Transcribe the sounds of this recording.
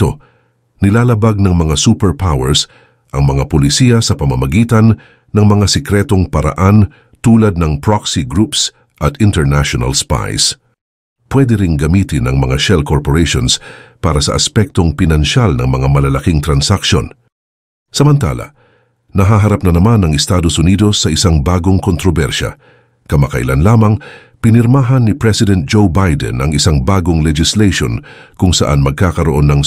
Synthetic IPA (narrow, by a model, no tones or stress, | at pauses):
t̪o̰ | nɪlaːlɐbaɡ̚nɐŋmɐŋasuːpɛɹpʰawɛɹs | ʔɐŋmɐŋapolɪsiːɐsɐpɐmɐmɐɡiːt̪ɐn | nɐŋmɐŋasɛkɾɛt̪o̞ŋpɐɾɐ̰ʔan | t̪uːlɐd̪̚nɐŋpɹoksiɡɾups | ʔɐt̪ɪnt̪ɛɹnaʃonɐ̰lspa̰js | pwɛd̪ɛɾɪŋɡɐmiːt̪ɪnɐ̰ŋmɐŋaʃɛlkoɹpoɾejʃo̰nspaːɾɐsɐ̰ʔɐspɛk̚t̪o̞ŋpɪnɐnʃalnɐŋmɐŋamɐlɐlɐkiŋt̪ɾɐnsakʃo̰n | sɐmɐnt̪a̰ːlɐ̰ | nɐɦaɦɐɾap̚nɐnɐmanɐŋɪst̪aːd̪osʊniːd̪o̞sːɐʔɪsaŋbaːɡo̞ŋkont̪ɾobɛɾʃɐ̰ | kɐmɐkɐʔɪ̰lanlaːmɐŋ | pɪnɪɾmaːɦɐnːɪpɹɛsɪd̪ɛnt̪̚d͡ʒowbajd̪ɛ̰nʔɐ̰ŋɪsaŋbaːɡoŋlɛd͡ʒɪslejʃo̰nkʊŋsɐ̰ʔanmɐɡ̚kaːkɐɾoʔo̞nːɐŋ